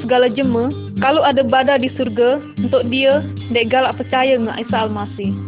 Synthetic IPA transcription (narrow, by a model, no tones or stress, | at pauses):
səɡalad͡ʒəmə | kalowadabadadisurɡaunt̪ʊk̚diadaɡalaʔpərt͡ʃajaŋa̰ʔisaːlmasɪh